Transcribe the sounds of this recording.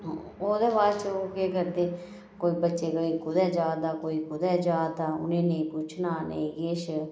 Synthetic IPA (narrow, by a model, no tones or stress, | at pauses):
oːd̪eːbaːt͡ʃəoːkeːkəɾd̪eː | koːiːbətːʃeːkoːiːkʊd̪ɛːd͡ʒaːd̪aːkoːiːkʊd̪ɛːd͡ʒaːd̪aːʊ̰nẽːnẽĩːkʊt͡ʃʰnaːnḛĩːɡeːʃ